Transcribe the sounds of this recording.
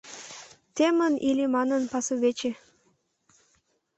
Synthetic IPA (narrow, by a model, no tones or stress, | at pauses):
t̪emənilʲimɑnənpɑsuβet͡ɕe